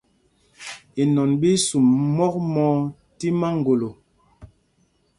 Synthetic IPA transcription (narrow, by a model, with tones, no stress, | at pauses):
i˨nɔ˨nbi˦su˨mmɔ˦k̚mɔ˦ | ti˦ma˦ŋ̩˨ɡo˨lo˨